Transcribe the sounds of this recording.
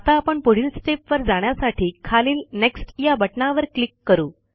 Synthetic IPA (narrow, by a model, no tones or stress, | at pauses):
at̪aːpəɳpoɽ̤ilsʈepʋəɾd͡zaɳ̃jasaʈʰiːkʰaliːlneksʈjabəʈɳaʋəɾklikːəɾuː